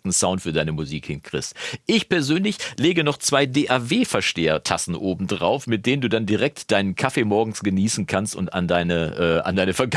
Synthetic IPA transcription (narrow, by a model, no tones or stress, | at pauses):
tn̩saʊntfyːɐdaɪnəmuziːkhɪnkʁ̥ɪ̰çstʔɪçpʰɛɐzøːnlɪçleːɡənɔχt͡sv̥aɪdeːʔaːɐveːfɛɐʃteːɐ̰tʰa̰sn̩ʔoːbm̩dʁa̰ʊfmɪt̚d̥eːnənduːdandiʁɛk̚td̥aɪnənkʰafeːmɔɐɡŋ̩sɡ̥əniːsn̩kʰanstʊ̰nta̰ndaɪnəʔɛːʔa̰ndaɪnəfɛɐɡ